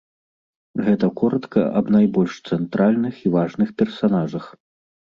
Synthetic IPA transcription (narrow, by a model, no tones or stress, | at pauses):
ɣɛt̪ɐkɔɾɐt̪kɐ̰ʔɐbnajbɔlʲʂt̪sɛnt̪ɾalʲnɨxivaʐnɨxpʲɛrsanaʐɐx